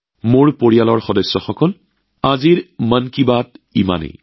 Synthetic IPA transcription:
moɹpoɹijalɔɹxɔdɔjsːɔxɔkɔl | aziɹmənkibatḭma̰nḛ

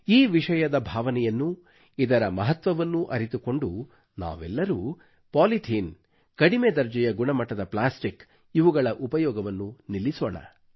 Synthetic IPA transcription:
iːʋiʂɐjɐd̪ɐbʱaːʋɐnɛjɐnːu | id̪ɐɾɐmɐɦɐt̪ʋɐʋɐnːuʔɐɾit̪uko̞ɳɖu | na̰ːʋɛ̰lːɐɾu | paːliʈ̪ʰiːn | kɐɽimed̪ɐɾd͡ʒɐjɐɡuɳɐmɐʈːɐd̪ɐplaːsʈik | iʋuɡɐɭɐʔupɐjɔːɡɐʋɐnːunilːisɔːɳɐ̰

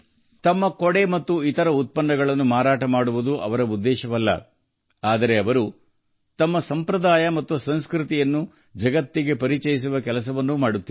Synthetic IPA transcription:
t̪ɐmːɐkɔɽe̞mɐt̪ːuit̪ɐɾɐut̪̚pɐnːɐɡɐɭɐnːumaːɾaːʈɐmaːɽuʋud̪uʔɐ̰ʋɐɾɐud̪ːɛːʃɐʋɐlːɐ̰ | aːd̪ɐɾe̞ɐʋɐɾu | t̪ɐmːɐsɐmpɾɐd̪aːjɐmɐt̪ːusɐnskɾit̪ijɐnːu | d͡ʒɐɡɐt̪ːiɡe̞pɐɾit͡ʃɐjis̬uʋɐkɛlɐsɐʋɐnːumaːɽut̪ːi

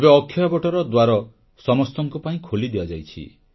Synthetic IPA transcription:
ebeɔkʰːjabɔʈɔɾɔd̪waɾɔ | sɔmɔst̪ɔŋkupaĩkʰolid̪iad͡ʒajt͡ʃʰḭ

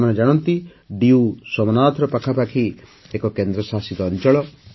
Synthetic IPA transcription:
maned͡ʒaɽ̃ɔnt̪i | ɖiusɔmɔnaːt̪ʰɾɔpakʰapakʰi | ekɔkend̪ɾɔsasit̪ɔːnt͡ʃɔɭɔ

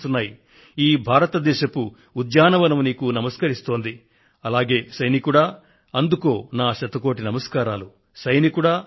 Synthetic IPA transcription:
t̪unːaːji | iːbʱaːɾɐt̪ɐd̪ɛːʃɐkuː | d̪jaːnɐʋɐnɐmniːkunɐmɐskɐɾist̪o̞ːnd̪i | ɐlaːɡe̞ːsɐjnikuɽaː | ɐnd̪uko̞ːnaːʃɐt̪ːɐko̞ːʈinɐmɐskaːɾaːlu | sɐjnikuɽaː

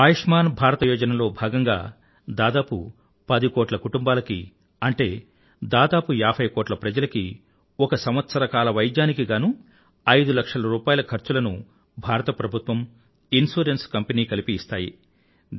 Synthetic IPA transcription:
aːjiʂmaːnbʱaːɾɐt̪ɐjɔːd͡ʒɐnɐlo̞ːbʱaːɡɐŋɡa̰ː | d̪aːd̪aːpṵ | pɐd̪ikoːʈlɐkuʈumbaːlɐkḭ | ɐɳʈe̞ː | d̪aːd̪aːpujaːpʰɐjkoːʈlɐpɾɐd͡ʒɐlɐki | ɔkɐsɐmʋɐt̪sɐɾɐkaːlɐʋɐjd̪jaːnikiɡaːnu | ɐjd̪ulɐkʂɐlɐɾuːpaːjɐlɐkʰɐɾt͡ʃulɐnu | bʱaːɾɐt̪ɐpɾɐbʱut̪ʋɐm | insuːɾenskɐmpeniːkɐlipiːst̪aːjḭ

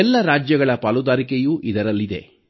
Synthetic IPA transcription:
ɛlːɐɾaːd͡ʒjɐɡɐɭɐpaːlud̪aːɾikejuʔid̪ɐɾɐlːid̪e̞̰

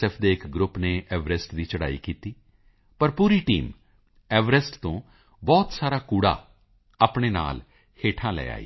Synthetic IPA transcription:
ɛːpʰd̪eːɪkɡɾʊpneːʔɛːʋɾəsʈd̪iːt͡ʃəɽaːḭːkiːt̪iː | pəɾpuːɾiːʈiːm | ɛːʋɾɛsʈt̪õː | bɔːt̪saːɾaːkuːɽa̰ː | aːpɳeːna̰ːl | heːʈʰãːlɛ̰ːa̰ːḭː

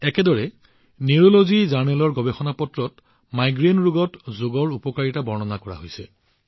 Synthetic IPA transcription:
ɛkɛdɔɹɛ | niɹolozizaɹnɛlɔɹɡɔbexɔnapɔtɹɔt | majɡɹenɹuɡɔtzoɡɔɹupɔkaɹitabɔɹnɔnakɔɹa̰ɦojsɛ

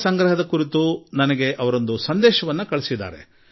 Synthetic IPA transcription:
sɐŋɡɾɐɦɐd̪ɐkuɾit̪unɐnɐɡe̞ʔɐʋɐɾo̞nd̪usɐnd̪ɛːʃɐʋɐnːɐkɐɭisid̪ːa̰ːɾḛ

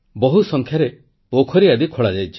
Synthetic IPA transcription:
bɔɦusɔŋkʰjaɾe | pokʰɔɾiad̪ikʰoɭad͡ʒajt͡ʃʰi

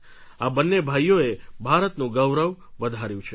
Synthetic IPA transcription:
abənːebʱajːoebʱaɾət̪nũɡəʋɾəʋʋəd̪ʱaɾjũt͡ʃʰe

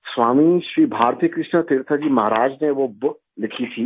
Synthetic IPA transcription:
sʋaːmiʃɾiːbʱaːɾt̪ijəkɾɪʃnət̪ɪɾt̪ʰad͡ʒiːmɐɦɾaːd͡ʒneʋob | lɪkʰit̪ʰiː

